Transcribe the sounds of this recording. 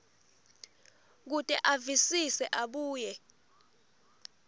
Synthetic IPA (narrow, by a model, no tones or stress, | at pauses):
k̬utʼɛʔavisisɛʔaɓuːjɛ